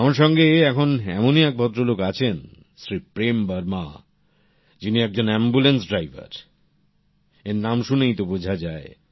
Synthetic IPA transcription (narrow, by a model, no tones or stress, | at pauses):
amaɾʃɔŋɡeɛkʰonɛ̰moniɛk̚bʱɔt̪ːɾolokat͡ɕʰen | sɾipɾembəɾma | d͡ʑiniɛk̚d͡ʑonɛmbulensɖɾajbʱa̰ɾ | eɾnamʃunejt̪obod͡ʑʱad͡ʑae